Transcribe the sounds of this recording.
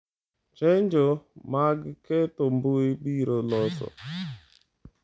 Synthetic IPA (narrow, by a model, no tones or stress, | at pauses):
t͡ʃend͡ʒomaɡɪketom̩bʊeɡ͡biɾolɔsɔ̰